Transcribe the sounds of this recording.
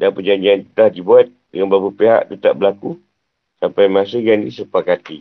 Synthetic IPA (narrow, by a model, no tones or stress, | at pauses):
danpəd͡ʒaɲd͡ʒiant̪ə̥t̪ahdibuat̪̚dəŋanbabupeɦa̰ʔt̪ət̪a̰ʔbəlaku | sampajmas̬əɡandisəpakat̪i